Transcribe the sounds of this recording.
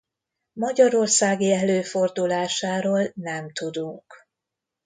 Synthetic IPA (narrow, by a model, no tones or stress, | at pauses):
mɒɟɒɾo̞rsaːɡiɛløːfo̞rd̪ulaːʃaːɾoːlnɛmt̪ud̪uŋk